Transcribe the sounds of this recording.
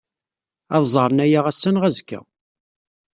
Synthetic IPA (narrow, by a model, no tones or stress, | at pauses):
ɑðzˤɑɾˤənæjaʁæsːænʁæzkːə̰